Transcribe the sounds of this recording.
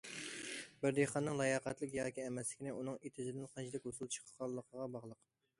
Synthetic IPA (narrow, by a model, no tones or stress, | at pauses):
bɪɾd̪eχɑnːɨŋlˠɑjɑqɛt̪lˠɪkʲjɑːkʲiɛmɛslɪkʲinɪunɨŋet̪ʰɪzɪd̪ɪnqʰɑnt͡ʃʰid̪ɪkʲhosulˠt͡ʃʰə̥qʰə̥qɑlˠːəqʰəʁɑbɑʁlˠəq